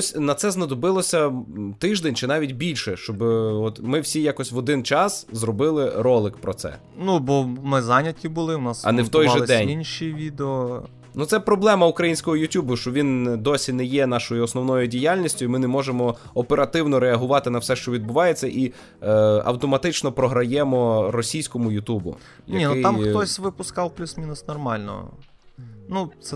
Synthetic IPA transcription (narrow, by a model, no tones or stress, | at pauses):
sʲnɐt̪sɛznɐd̪ɔbɪlˠɔsʲɐt̪ɪʒd̪enʲt͡ʃɪnɑʋʲitʲbʲilʲʃɛʃt͡ʃɔbɔt̪mɪwsʲijakɔsʲʋɔd̪ɪnt͡ʃɑszɾɔbɪlˠɪɾɔlˠɪkpɾɔt̪sɛ̰ | nubɔmɪzɑnʲɐt̪̚ʲkʲibʊlˠɪwnɑsɐ̰nɛwt̪ɔjʒɛd̪ɛnʲinʲʃiʋʲid̪eɔ | nut̪sɛpɾɔblˠɛmɐukɾɐjinʲsʲkɔɦɔjʊtʲubʊʃt͡ʃɔʋʲind̪ɔsʲinɛjɛnɑʃɔjʊɔsnɔwnɔjʊdʲijalʲnʲisʲtʲʊimɪnɛmɔʒemɔɔpeɾɐt̪ɪwnɔɾeɐɦʊʋɑt̪ɪnɐwsɛʃt͡ʃɔʋʲid̪̚bʊʋɑjet͡sʲːɐʔi | ɐ̰wt̪ɔmɐt̪ɪt͡ʃnɔpɾɔɦɾɐjɛmɔɾɔsʲijsʲkɔmʊjʊt̪ubʊ̰ | jɐinuɪɑmxt̪ɔsʲʋɪpʊskɑwplʲusmʲinʊsnɔrmɑlʲnɔ̰ɔ̰ | nut̪sɛ